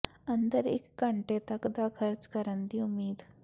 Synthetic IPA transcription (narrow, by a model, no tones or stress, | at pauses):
ənd̪əɾḛkːəɳʈet̪əkd̪akʰəɾt͡skəɾənd̪iumiːd̪